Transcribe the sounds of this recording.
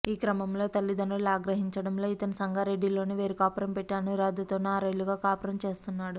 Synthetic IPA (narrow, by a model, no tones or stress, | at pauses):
iːkɾɐmɐmlo̞ːt̪ɐlːid̪ɐnɐɭaːɡɾɐɦiɲt͡ʃɐɽɐmlo̞ːit̪ɐnɐsɐŋɡaːɾe̞ɖːilo̞ːniʋeːɾikaːpɐɾɐmpɛʈːaːnuɾaːd̪ut̪oːneaɾeɭːuɡaːkaːpɐɾɐmt͡ʃe̞ːst̪unːaːɽu